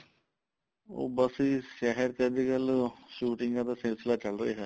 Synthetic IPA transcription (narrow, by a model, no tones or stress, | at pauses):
o̰ːbəsiːʃɛːɦəɾkəɾd̪iːɡəlʃuːʈɪ̃ŋɡãːt̪aːsɪlsɪlaːt͡ʃəlɾəḭːɦɛː